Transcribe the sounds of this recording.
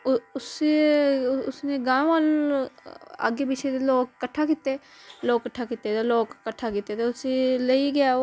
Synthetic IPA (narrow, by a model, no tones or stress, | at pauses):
ʊʊsi | ʊsneːɡãːʋaːl | a̰ːɡeːbɪt͡ʃʰeːd̪eloːkːəʈʰːaːkiːt̪eː | loːkːəʈʰːaːkiːt̪eːt̪eloːkːəʈʰːaːkiːt̪eːt̪eːʊsiləiɡɪjaː